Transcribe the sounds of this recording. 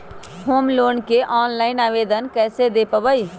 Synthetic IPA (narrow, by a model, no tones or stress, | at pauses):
hoːmloːnkeʔɔːnlaːɪnaːʋeːd̪ənkɛːsed̪eːpəʋəiː